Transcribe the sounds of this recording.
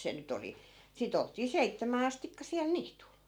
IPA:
se nyt oli sit oltˑiː seitːæmæː ɑstikːɑ siɑl niːtul

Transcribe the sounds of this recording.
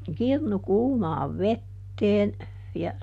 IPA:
kirnu kuːmɑːʋ ʋetːeːn jɑ

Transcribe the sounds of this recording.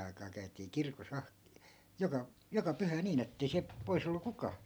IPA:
ɑi̯kɑː kæy̞tiː kirkos ɑh jokɑ jokɑ pyhæ niːn etːei siæp pois olːu kukɑː

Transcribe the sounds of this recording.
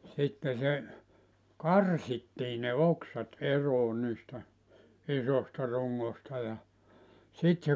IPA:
sitːe se kɑrsitːiː ne oksɑt eroː niːstæ isostɑ ruŋːostɑ jɑ sit

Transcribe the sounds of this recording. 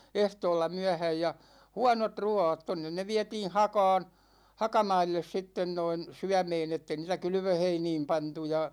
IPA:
ehtoːlːɑ myæhæj jɑ huɑnot ruɑːt tonːen ne ʋiætiːn̞ hɑkɑ̝ːn hɑkɑmɑilːes sitːen noin syæmeːn etːe niːtæ kylʋøheiniːm pɑntu jɑ

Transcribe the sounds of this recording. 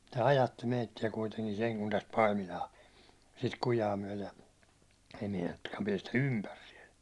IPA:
tæ ɑjɑtːi meitːiæ kuiteŋkin seŋ kun tæst pɑimilɑː sit kujɑː myæ̹lej jɑ ei meinɑtːukːɑːm piɛstæ ympær siɛl

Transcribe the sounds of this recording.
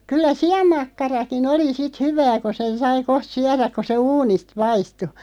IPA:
kylːæ siɑmːɑkːɑrɑkin oli sit hyʋæː ko sen sɑi koht syæræk̆ ko se uːnist pɑistu

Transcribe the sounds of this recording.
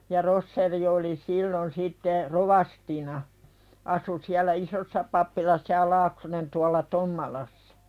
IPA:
jɑ rosːeri oli silːon sitːe roʋɑstinɑ ɑsu siælˑæ isosːɑ pɑpːilɑsːɑ jɑ lɑːksonen tuɑlːɑ tomːɑlɑsːɑ̥

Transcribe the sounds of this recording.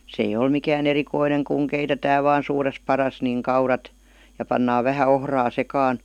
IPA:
s eij ol mikæːn erikoineŋ kuŋ keitetæː ʋɑːn̞ suːres pɑrɑs niŋ kɑurɑt jɑ pɑnːɑː ʋæhæ ohrɑː sekɑːn

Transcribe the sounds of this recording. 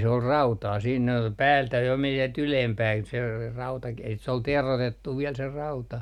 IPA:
se ol rɑutɑː siːn pæːltæ jo men sielt ylempæːn se rɑutɑki et se ol terotetːu ʋiɛl se rɑutɑ

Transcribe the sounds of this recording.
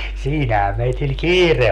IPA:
siːnæhæ meitil kiːre

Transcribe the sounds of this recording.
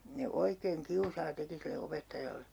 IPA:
ne oikeːŋ kiusɑː teki silːe opetːɑjɑlːe

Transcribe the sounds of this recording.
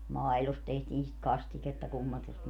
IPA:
mɑilost tehtiːn sit kɑstiketːɑ kumːɑtust

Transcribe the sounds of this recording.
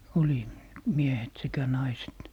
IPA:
oli miehet sekæ nɑiset

